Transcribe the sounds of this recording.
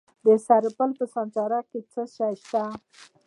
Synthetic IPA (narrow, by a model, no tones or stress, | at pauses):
d̪əsaɾpəlpəsɑnt͡sɑɾaket͡səʃajʃt̪a